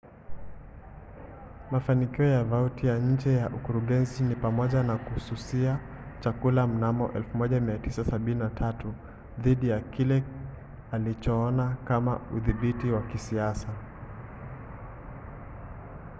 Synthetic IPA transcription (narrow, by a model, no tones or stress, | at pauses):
mafanikiɔjavautijaɲ̩d͡ʒɛjaʔukuɾuɠɛnzinipamɔʄanakuhsusia | t͡ʃakulam̩namɔ̰ʔɛlfumɔʄamiatisasaɓininatʰatu | ðiɗijakilɛ | alit͡ʃɔɔnakama̰uðiɓitiwakisiasa